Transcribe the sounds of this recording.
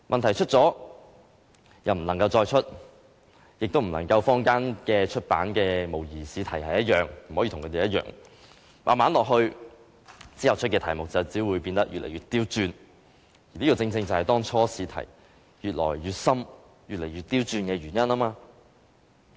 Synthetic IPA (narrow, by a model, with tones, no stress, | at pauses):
mʔɐ˨nt̪ʰɐ˨˩jt͡ʃʰɵ˥t̚t͡sɔː˨˥ | jɐ˨wm̩˨˩nɐ˨˩ŋkɐ˧wt͡ʃɔː˧jt͡ʃʰɵ˥t̚ | jɪ˨k̚t̪o˥wm̩˨˩nɐ̰˨˩ŋkɐ˧wfɔː˥ŋkaː˥nkɛː˧t͡ʃʰɵ˥t̚pa̰ː˨˥nkɛː˧mo˨˩wjiː˨˩siː˨˥t̪ʰɐ˨˩jhɐ˨jɐ˥t̚jœː˨˩ŋm̩˨˩ɔː˨˥iː˧˨t̪ʰʊ˨ŋkʰːt̪e˨jɐ˥t̚jœ̰ː˨ŋ | maː˨nmaː˨˥nlɔː˨k̚ɦɵ˧ɥ | t͡siː˥jɐ˨˩wt͡ʃʰɵ˥kɛː˧t̪ʰɐ˨˩jmʊ˨k̚t͡sɐ˨wt͡siː˨˥wuː˨˧jpiː˧nt̪ɐ˥k̚jy̰ː˨t̚lḛ˨˩jyː˨t̪̚iː˥wt͡syː˧n | jiː˨liː˥kɔː˨˧t͡sɪ˧ŋt͡sɪ˧ŋt͡sɐ˨whɐ˨˩jt̪ɔː˥ŋt͡ʃʰɔː˥siː˨˧t̪ʰɐ̰˨˩j | jyː˨t̚lɔ̰ː˨˩jɥyː˨t̚sɐ˥m | jyː˨t̚le˨˩jɥyː˨˩t̪̚iː˥wt͡syː˧nkɛː˧ɥyː˨˩njɐ˥naː˥maː˧